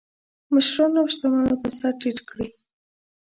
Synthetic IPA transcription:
maʃɾɑnawʃt̪amanot̪asaɾʈiʈkɽi

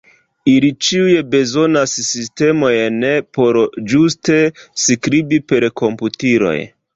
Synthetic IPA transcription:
ilit͡ʃiujebe̞zo̞nassiste̞mo̞jnepo̞ɾd͡ʒuste̞skɾibipe̞ɾko̞mputiɾo̞̰j

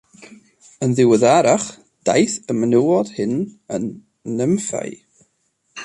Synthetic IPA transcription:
ənðɪwəðaɾaχ | d̥a̰jθəmənuwɔd̥hɨnənː | əmfa̰j

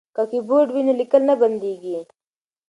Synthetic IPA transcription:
kakiboːɖwinilikɐlnɐbɐnd̪eːɡi

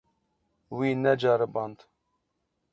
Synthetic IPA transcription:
wiːnɛd͡ʒɑːɾɨbɑnd̪

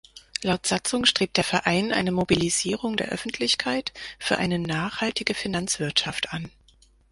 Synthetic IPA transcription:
laʊtz̥at͡sʊŋʃtʁ̥eːp̚d̥eːɐfɛɐʔaɪnʔa̰ɪnəmobiliziːʁ̞ʊŋdeːɐʔœ̰fn̩tʰlɪçkʰaɪtfyːɐʔa̰ɪnənaːχhaltɪɡəfinant͡sv̥ɪɐtʃaftʔan

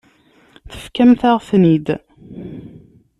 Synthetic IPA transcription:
θə̥fkæmθaʁfnid̪

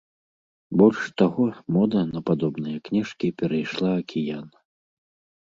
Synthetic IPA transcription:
bɔlʲʂt̪aɣɔmɔd̪ɐnɐpad̪ɔbnɨjɐknʲɛʂkʲipʲɛɾɐjʂlˠaɐkʲʰijanɐ

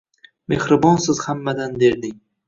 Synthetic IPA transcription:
me̞hɾɪbɒnsɪz̥hamːad̪anbe̞ɾd̪ɪŋ

